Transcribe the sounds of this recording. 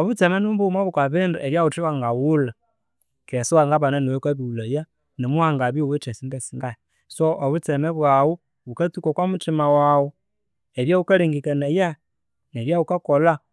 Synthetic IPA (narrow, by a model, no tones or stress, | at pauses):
ɔβut͡sɛmɛnumbumaβukaβindueβjawut͡ʃiwaŋɡawula | kɛsiwaŋɡaβananwɛkaβiulaja | nimuhaŋɡaβiwit͡ʃɛsindɛsinda | sɔʔːβut͡sɛmɛβwawu | βukat͡sukakwamut͡ʃimawawɔ | eβjaβukaliŋɡikaneja | nɛβjaβukakɔla